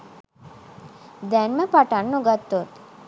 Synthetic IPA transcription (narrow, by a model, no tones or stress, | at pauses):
d̪ɛnməpaʈanːoɡat̪ːot̪